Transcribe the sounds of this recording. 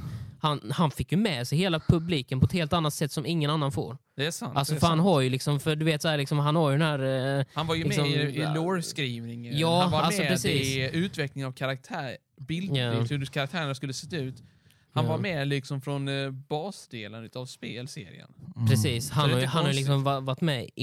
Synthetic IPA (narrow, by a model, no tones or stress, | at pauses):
hanhanfɪkːjɵmɛːsɛjheːlapʰɵbliːkənpʰɔɛt̪heːlt̪anːat̪sɛt̪ːsɔmɪŋːənanːanfo̰ːɾ | d̪ɛsanʔalsɔfœɾhanɦaɾjɵlɪksɔmfœɾɖɵveːt̪sɔæːlɪksɔmɦanhaɾjɵd̪ɛnæːɾhanvaɾjəɪɛsɔɪloɾskɾiːvnɪŋjɑːvaalɔpʰɾɛsiːʉ̟ːt̪vɛklɪŋavkʰaɾak̚t̪ʰæː | bɪld̪hʉkʰaɾak̚t̪ʰæːɾəɳaskɵlːəsɛt̪ːaʉ̟ːt̪ | hanvaɾmɛlɪksɔmfɾɔnbɑːsd̪eːlənʉ̟ːt̪avspeːlsḛːɾɪ̰ə̰npʰɾɛsiːshanhaɾjɦanhaɾjʏlɪksɔmvavaʈːmɛ